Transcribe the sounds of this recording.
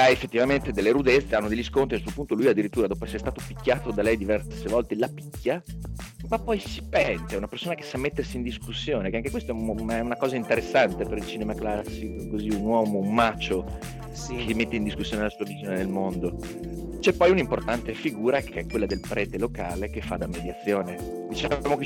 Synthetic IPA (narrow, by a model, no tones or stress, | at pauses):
aefːet̪ːivament̪ed̪elːeɾud̪et̪sːeanːod̪ejʎːiskont̪ɾiasuːopunt̪olujad̪ːiɾit̪ːuːɾad̪ɔːpoɛsːeɾst̪aːt̪opikʲːaːt̪od̪alɛjd̪ivɛrsevɔlt̪elapikʲːja | mapːɔjsi̥pɛnt̪eɛunapersoːnake̥sːamːet̪ːersiːnd̪iskusːjoːnekeaŋkekwest̪oɛunnɛunakɔːzaint̪eɾesːant̪epeɾilt͡ʃinemaklasːikokoziunwɔːmoumːat͡ʃːo | kelimet̪ːeind̪iskusːjoːnelasuːavizionenelmond̪o | t͡ʃɛpːɔjunimport̪ant̪efiɡuːɾakʰeɛkwelːad̪elpɾʔɛːt̪elokaːlekefːad̪ːamːed̪jat̪sːjoːne | d̪it͡ʃɛmoke